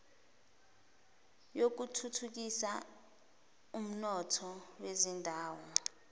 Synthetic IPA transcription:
jok̬utʰutʰuk̬isa | um̩nɔtʰɔwezindʱaːwɔ

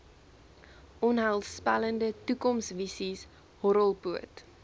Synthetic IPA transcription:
ʔɔnɦəlˠspɐ̰ləndətukɔmsvisis | hɔɾəlˠpuət

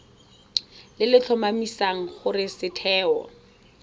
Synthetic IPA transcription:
lɪlɪt͡ɬʰɔmamisaŋ̩χʊrɪsɪtʰɛːɔ̰

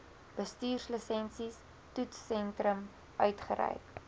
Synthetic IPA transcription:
b̥əstyːrsləsɛnsis | tutsːɛntrəm | ʔœɥtχəɾɛ̰jk

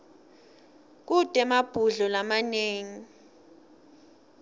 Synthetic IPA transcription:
k̬ud̥ʱɛmab̥ʱuɮɔlamaneːŋi

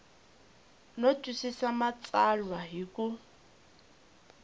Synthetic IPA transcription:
nɔtʼwisisamat͡sʼalwaɦikʼʊ

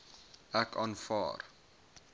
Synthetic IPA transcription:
ækɑːnfɑ̰ːr

